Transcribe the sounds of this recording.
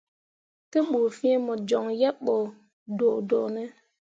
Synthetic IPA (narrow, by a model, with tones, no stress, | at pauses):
te˦ɓu˨fĩ˦e˦mo˨d͡ʒo˨ŋjɛ˦ɓo˨ | do˨ʔdo˨ʔnɛ˦